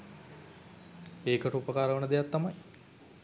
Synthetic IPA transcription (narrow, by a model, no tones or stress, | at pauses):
eːkəʈəupəkaːɾəʋənəd̪ejat̪ːamaj